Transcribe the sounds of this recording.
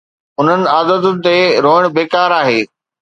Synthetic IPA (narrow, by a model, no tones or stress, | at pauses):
ʊn̤ənɪ̆aːd̪əd̪ʊnɪ̆t̪eɾoːɪɽ̃beːkaːɾaːɦeː